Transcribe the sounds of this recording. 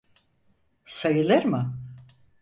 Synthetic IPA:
sajɯlˠɯɾmɯ

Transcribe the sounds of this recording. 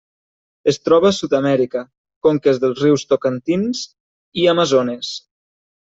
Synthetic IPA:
est̪ɾɔβ̞asut̪amɛɾikə | koŋkezðəlˠzriwst̪okant̪inz | iamazones

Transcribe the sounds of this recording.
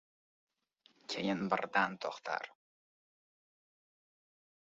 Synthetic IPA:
kʲʰejɪnbɪ̰ɾd̪ant̪ʰɒχt̪ʰa̰ɾ

